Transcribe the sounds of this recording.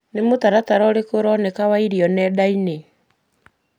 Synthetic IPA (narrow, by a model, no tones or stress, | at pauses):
nemotaɾataɾɔːɾekoɾɔːnɛkawaiɾiɔnɛːdaine